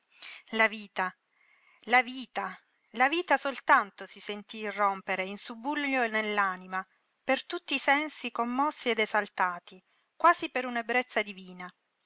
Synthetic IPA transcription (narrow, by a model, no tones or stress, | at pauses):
laviːt̪a | laviːt̪a | laviːt̪asolt̪ant̪osisent̪irːompeɾeinsubːuʎːonelːaːnima | pert̪ut̪ːiːsɛnsikomːɔsːied̪ezalt̪aːt̪i | kwaːzipeɾunebɾet̪sːad̪iviːna